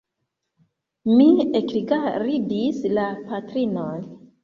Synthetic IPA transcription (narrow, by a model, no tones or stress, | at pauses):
miekiɡaɾidislapatɾinon